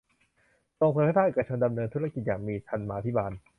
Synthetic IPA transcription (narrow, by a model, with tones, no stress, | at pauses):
t̪oː˧ŋpʰo˧nkʰa˥˩a˥˩ʔeː˨˩ka˧t͡ɕʰo˧nda˧mnɤː˧nt̪ʰu˦˥ɾa˧˩ki˨˩t̪̚jaː˨˩ŋmiː˧t̪ʰa˧nmaː˧t̪ʰi˦˥baː˧n